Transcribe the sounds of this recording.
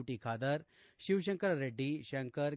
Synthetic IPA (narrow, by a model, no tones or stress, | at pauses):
ʈikʰaːd̪ɐɾ | ɕiʋɕ̬ɐŋkəɾɾeɖːiɕɐŋkəɾ